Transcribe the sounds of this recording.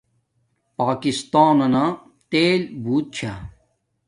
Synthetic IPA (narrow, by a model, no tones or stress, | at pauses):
paːkist̪aːnɐna | t̪eːlbuːt̪̚t͡ɕʰa